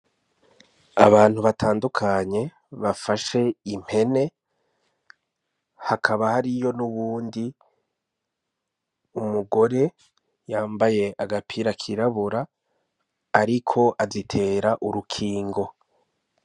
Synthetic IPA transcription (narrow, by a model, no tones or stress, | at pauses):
a̰βaːn̥huβatʰaːndukʰaɲe̞ | βafaʃe̞im̥he̞ne̞ | hakʰaβahaɾijo̞nuβuːndi | umuɡo̞ɾe̞ | jaːmbaje̞ʔaɡapʰiɾakʰiɾaβuɾa | ɾikʰo̞ʔazitʰe̞ːɾaʔuɾukʰiːŋɡo̞